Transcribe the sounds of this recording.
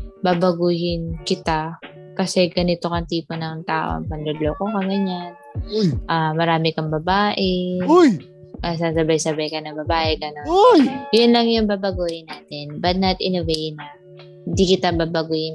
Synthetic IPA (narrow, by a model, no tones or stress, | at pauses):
babɐɡuːhɪnkɪt̪a | kɐsɛɡɐnɪt̪okɐŋt̪iːponɐŋt̪aːʔo̰ɐ̰ŋpɐnlod̪lokokɐɡɐɲanjʔamɐɾaːmɪkɐŋbɐbaːʔɛj | ʔɐsasɐbajsɐbajkɐnɐŋbɐbaːʔɛɡɐnonjjʊnlɐŋjʊŋbaːbɐɡuːhɪnːaːt̪ɪnbɐd̪̚nɐt̪ʔɪnovenɐ | hɪnd̪ikɪt̪abaːbɐɡuːhɪn